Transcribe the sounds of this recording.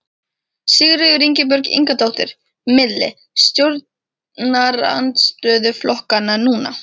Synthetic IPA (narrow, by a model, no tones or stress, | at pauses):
sɪɣɾɪɣʏɾiɲcɪp̬œɾkḭŋkat̪awht̪ɪɾ̥ | mɪðlɪ̰ | st̪jowɾt̪̚ | nnaɾa̰nt̪st̪œːðʏflɔhkanːanuːna̰